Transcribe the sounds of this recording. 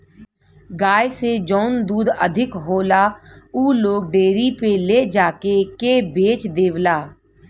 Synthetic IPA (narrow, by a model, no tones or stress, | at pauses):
ɡaːjsed͡ʒɔːnd̪uːd̪əd̪ʱɪkɦoːlauːloːɡ̚ɖeːɾipeled͡ʒaːkekebeːt͡ʃd̪eːʋlaː